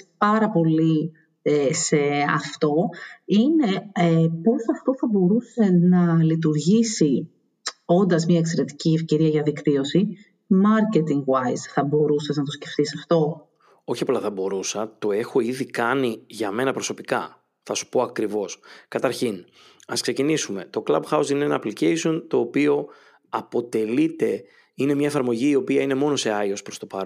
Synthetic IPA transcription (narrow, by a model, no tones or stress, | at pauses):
pɐɾɐpo̞li | ese̞ɐft̪o̞ine̞posɐft̪o̞θɐbo̞ɾuse̞nɐlit̪uɾʝisi | o̞nd̪ɐzmɲɐekse̞ɾe̞t̪i̥ciefce̞ɾiɐʝɐðikt̪io̞si | mɐɾce̞t̪iŋɡwajsθɐbo̞ɾuseznɐt̪̬osce̞ft̪isɐft̪o̞ | o̞çiɐpolɐθɐbo̞ɾusɐt̪o̞e̞xo̞iðikɐniʝɐme̞nɐpɾo̞so̞pikɐ | θɐsu̥po̞ɐkɾivo̞skɐt̪ɐɾçin | ɐskse̞cinisume̞t̪o̞klɐbxɐusineenɐːplicejsio̞nt̪o̞ːpio̞ | ɐpo̞t̪e̞lit̪e̞ | ine̞mɲɐefɐɾmo̞ʝiːo̞piɐine̞mo̞no̞se̞ɐio̞spɾo̞st̪o̞pɐɾ